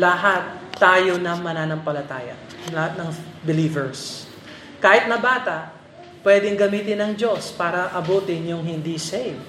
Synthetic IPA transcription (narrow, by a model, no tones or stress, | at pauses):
lɐɦat̪ːaːjonɐmɐnaːnɐmpɐlɐt̪aːjɐ̰ | lɐhat̪̚nɐŋbɪliːvɛɹs | kaːhɪt̪̚nɐbaːt̪ɐʔ | pwɛːd̪ɪŋɡɐmiːt̪ɪnɐŋd͡ʒo̞spaːɾɐʔɐbuːt̪ɪnjʊŋɦɪnd̪isɛjv